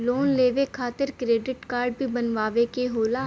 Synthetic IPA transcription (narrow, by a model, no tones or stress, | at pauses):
loːnleːʋekʰaːt̪ɪɾkɾeːɖɪʈkaːɾɖ̚bʱibɐnʋaːʋekeɦoːla